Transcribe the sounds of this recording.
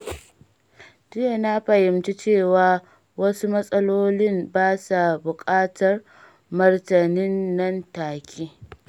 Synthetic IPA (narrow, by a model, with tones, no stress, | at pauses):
dɪ˦ja˨na˦ɸɐ˨jɪ˨mt͡ʃi˦t͡ʃeː˦˨waː˨ | wɐ˦su˦mɐ˦sʼɐ˦loː˦lɪ˦mbaː˦sa˨bʊ˨kʼaː˦tɐ˨r | mɐ˦rtɐ˨nɪ˦nːɐ˦ntaː˨kʲʰiː˦